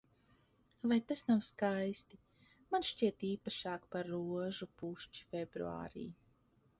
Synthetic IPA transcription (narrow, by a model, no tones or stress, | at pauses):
vajt̪asnawskajst̪i | manʃt͡ʃiɛt̪iːpaʃaːkpaɾːuɔʒupuʃt͡ʃi̥fʲɛbɾṵa̰ːɾḭː